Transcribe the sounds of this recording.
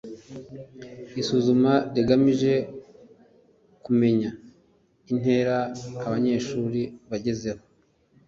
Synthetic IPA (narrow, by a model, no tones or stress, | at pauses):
isuːzumaɾiɡamiʒe̞ | kume̞ɲa | in̥he̞ːɾaːβaɲe̞ːʃuːɾiβaɟe̞ze̞ho̞